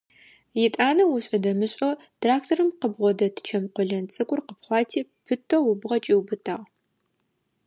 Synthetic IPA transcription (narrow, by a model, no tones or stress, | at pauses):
jɪtʼaːnɐwʊɕʼɐdɐmɨɕʼo | tʰraːk̚tʰorɨmqəbʁʷɔdɐtʰɨ̥t͡ʃʰɐmqʷɔɮɐnt͡sʼɨkʷʼʊrqəpχʷɑːtʰiːpʰɨtʰowʊbʁɐt͡ʃʼiwbɨtʰaːʁ